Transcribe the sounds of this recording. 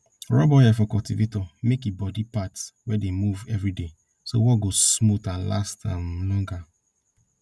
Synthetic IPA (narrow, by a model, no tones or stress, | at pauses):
ɹɔbɔjɛfɔkɔltivetɔmekebɔdipatwɛdemuvɛvɹide | sowɔɡosmotala̰stʰãɪmlɔ̃ŋɡa